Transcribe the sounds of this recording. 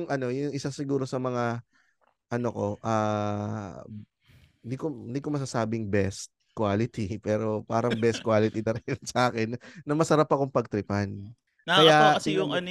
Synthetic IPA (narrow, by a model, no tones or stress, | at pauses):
jʊŋʔɐno̞jʊŋʔɪsasɪɡuːɾo̞sɐmɐŋa | ʔɐno̞ko̞ʔa | nd̪ikond̪iːkomɐs̬asaːbɪŋbɛst̪̚ | kwaːlɪt̪ipɛːɾo̞paːɾɐŋbɛst̪̚kwaːlɪt̪id̪ɐɾɛnsɐʔaːkɛnːɐmɐsɐɾapːɐkoŋpɐɡ̚t̪ɾɪpɐn | ɐjaɐɛjʊŋɐn